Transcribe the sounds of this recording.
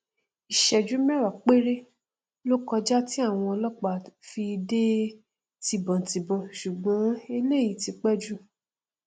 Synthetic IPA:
i˨ʃɛ˨d͡ʒu˨˦mɛ˦˨ɾa˨k͡pe˦ɾe˦ | lo˦kɔ˧d͡ʒa˦ti˦a˦˨w̃ɔ̃˧ɔ˧lɔ˦k͡pa˨fi˧de˦ | ti˧˨bɔ̃˨ti˨bɔ̃˧˨ʃu˨ɡ͡bɔ̃˨˦e˧le˦˨ji˨˦ti˧k͡pɛ˦d͡ʒu˦

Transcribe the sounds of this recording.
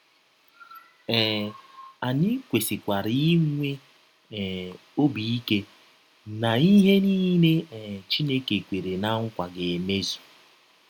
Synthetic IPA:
ɛː˨ | a˨ɲɪ˦kʷe˨si˨kʷa˨ɾi˦ŋʷe˦˨ | o˦bi˨i˦ke˦ | na˨i˦ɦe˦niː˦ne˦˨t͡ʃi˦ne˦ke˨kʷe˨ɾe˨na˦ŋ̩˦kʷa˨ɡe˨e˨me˦zu̥˨

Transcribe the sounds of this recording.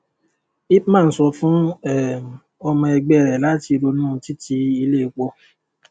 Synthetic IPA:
i˦pmãː˦˨n̩˦sɔ˧fũ˦ɛ˨ | ɔ˧mɔ̃˧ɛ˧ɡ͡bɛ˦˨ɾɛ˨la˨˦ti˧ɾo˧nũ˦˧ti˦ti˧˦i˧le˦i˧k͡pɔ˧

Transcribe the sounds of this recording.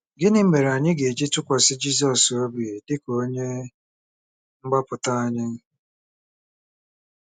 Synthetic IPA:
ɡɪ˦nɪ˦m̩˦me˨ɾe˨a˨ɲɪ˦ɡe˨d͡ʒi˦tʊ˦kʷa˨sɪ˦d͡ʒi˦s̬ɔ˨so˦bi˨dɪ˦ko˦ɲe˦ | ŋ͡m̩˦ɡ͡ba˦pʊ˨ta˦a˨ɲɪ˦n̩˦

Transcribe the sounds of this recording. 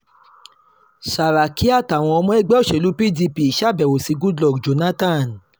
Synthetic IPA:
ʃa˨ɾa˨ki˦a˦˨ta˨w̃ɔ̃˧ɔ˧mɔ̃˦ɛ˦ɡ͡bɛ˦o˦˨ʃe˨lu˨˦pi˦˨di˧pi˨i˨ʃa˦˨bɛ˨wo˨si˧˦ɡu˦dlɔ˦˨ɡd͡ʒo˨˦nã˦tã˦˨n

